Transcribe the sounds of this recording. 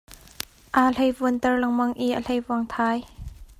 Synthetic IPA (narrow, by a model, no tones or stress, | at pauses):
ʔaːl̥ejvuənt̪ɛrlɐŋmɐŋʔiʔal̥ejvuəŋt̪ʰaːj